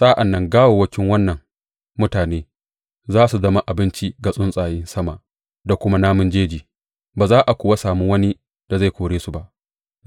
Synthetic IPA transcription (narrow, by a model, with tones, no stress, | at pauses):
sʼaː˦ʔa˨nːɐ˦ŋɡaː˦woː˨wɐ˦kʲɪ˦ŋwɐ˦nːɐ˨ŋ | mʊ˦taː˨neː˦ | zaː˦su˨zɐ˦ma˦ʔa˨bɪ˦nt͡ʃi˦ɡa˨sʼʊ˦nsʼaː˨jɪ˦nsɐ˦ma˨ | da˨kʷʊ˦ma˦naː˦mʊ˦nd͡ʒeː˦d͡ʒiː˨ | baː˨zaː˦ʔa˨kʷʊ˨wa˦saː˨mu˦wɐ˦ni˦ | d̥a˨za˦jkʷoː˨ɽeː˦su˨ba˦ʔ